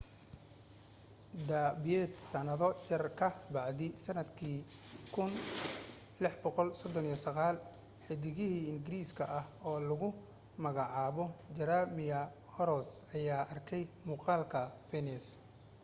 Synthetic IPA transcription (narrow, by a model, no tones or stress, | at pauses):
d̪abɛːd̪sɐnɐðɔjɐrkʰɐbɑʕd̪ɪsɐnɐd̪kʰiːkʰʊn | lɪħbɔqɔlsɔd̪ɔnijɐsɐɣaːl | ħɪd̪ɪɣɪɦiːɪŋɡɪɾiːskʰɐʔɐhɔːlʊɣʊ | mɐɣɑʕɑːβɔd͡ʒɐɾamɪjɐ | hɔɾɔsɐjaːʔɐrkʰɛjmuːqɑːlkʰɐfɛnɛs